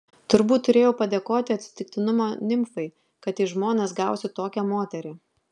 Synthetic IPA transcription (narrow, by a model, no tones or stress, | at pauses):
t̪ʊɾbuːt̪ːʊɾʲeːjɛʊpɐd̪ʲeːkoːt̪ʲɪɐt̪ʲsʲɪ̥t̪ʲɪk̚t̪ʲɪnʊmoːnʲɪmfɐɪ | kɐt̪iɪʒmoːnʲeːsɡɑˑʊsʲɪt̪oːkʲɛmoːt̪ʲɛɾʲɪ